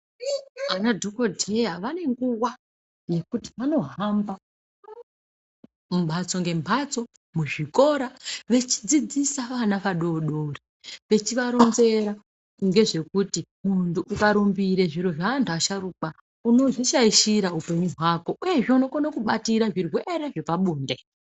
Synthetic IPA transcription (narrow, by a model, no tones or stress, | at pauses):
anadʱokodʱe̞jaʋane̞ŋɡuwa | je̞kuti̥ʋano̞ɦamba | mumbʱat͡so̞ŋɡe̞mbʱat͡so̞ | muʐiko̞ɾaʋe̞t͡ʃi̥d͡zid͡zisaʋanaʋaɗo̞ɗori | ʋe̞t͡ʃiʋaɾonze̞ɾa | ŋɡe̞ʐe̞kutimuntuʔːkaɾumbiɾe̞ʐiɾo̞ʐaːntʰuaʃaɾuːɓa | uno̞ʐiʃaiʃiɾaupe̞ɲuɦwako̞ʔuje̞ʐeuno̞konakuɓatiɾaʐirwe̞ɾe̞ʐe̞paɓuːnde̞